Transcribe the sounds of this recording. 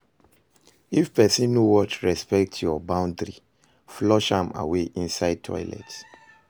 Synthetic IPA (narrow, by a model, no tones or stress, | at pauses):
ifpɛsĩnːuwɔtɹɛspɛk̚tʰjɔbãʊ̃ndɹi | flɔʃãma̰weʔĩnsaɪd̚tʰɔ̰ɪlɛ̰ts